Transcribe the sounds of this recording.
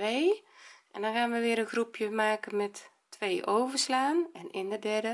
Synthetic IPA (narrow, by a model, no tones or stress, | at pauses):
ʋeːʔɛndɔnxaːnʋəʋɪəɾənxrupʰjəmaːkənmɛtː | ʋeːʔoːvərslaːnɛnʔɪndədɛrdə